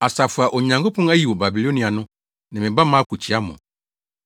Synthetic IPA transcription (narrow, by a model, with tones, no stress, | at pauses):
a˨sa˨fʊ˨a˨ʔɔ˨ɲã˨ŋkʰo˦pʰɔ̃˦ŋæ˦ji˨wo˨ba˨bi˨lo˦nĩ˨a˨nʊ̃˦ | nɪ̃˨mɪ̃˨ba˦mãː˦kʰu˨t͡ɕʰi˦a˦mʊ̰̃˨